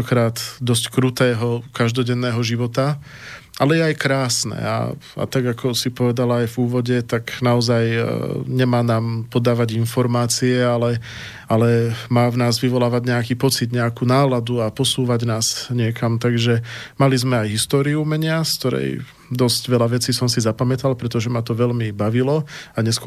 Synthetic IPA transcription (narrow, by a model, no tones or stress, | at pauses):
ɔkɾaːd̪d̪ɔs̬ckɾut̪ɛːɦɔkaʒd̪ɔɟɛnːɛːɦɔʒiʋɔt̪a | ʔalɛjɛajkɾaːsnɛ̰a̰ | a̰t̪aɡakʰɔsipɔʋɛd̪alaajvuːʋɔɟɛt̪aɡnaɔzajɲɛmaːnaːmpɔd̪aːʋaɟinfɔɾmaːt͡siɛalɛ | alɛmaːvnaːzʋiʋɔlaːʋaɟɲɛakiːpɔt͡sid̪ɲɛakuːnaːlad̪uapɔsuːʋaɟnaːz̥ɲɪɛkamt̪aɡʒɛmalizmɛajɦist̪ɔːɾiumɛɲɪaskt̪ɔɾɛ̰j | d̪ɔzɟʋɛlaʋɛt͡siːsɔmsizapamɛt̪alpɾɛt̪ɔʒɛmat̪ɔʋɛʎmibaʋilɔaɲɛsk